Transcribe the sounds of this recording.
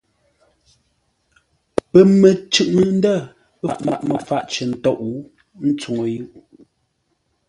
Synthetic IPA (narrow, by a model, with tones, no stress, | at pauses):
pə˨mə˨t͡ʃʉ˦˨ʔnə˨n̩˦də˦˨ | pə˨ʔma̰˨ʔmə˨fa˦ʔt͡ʃə˨n̩˨tɔ˦ʔu˨˦ | n̩˦t͡su˨ŋo˨ju˦ʔ